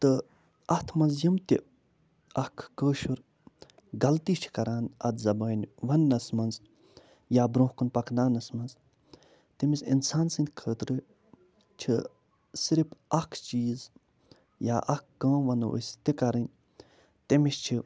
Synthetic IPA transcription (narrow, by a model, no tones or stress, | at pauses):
t̪ɨ | ɐt̪ʰmɐzjɐmt̪i | ɐkʰːəːʃuɾ | ɡɐlt̪iːt͡ʃʰi̥kɐɾaːnɐ̰d̪zɐbaːnʲʋɐnːɐsmɐnz | jaːbɾõːhkunpɐkd̪aːnɐsmɐnz | t̪imisḭnsaːnsɨnd̪ʲkʰəːt̪ɾɨ | t͡ʃʰi | siɾipʰɐkʰt͡ʃiːz | ja̰ːʔɐkːə̃ːʋɐnə̰st̪ikɐɾɨnʲ | t̪imist͡ʃʰi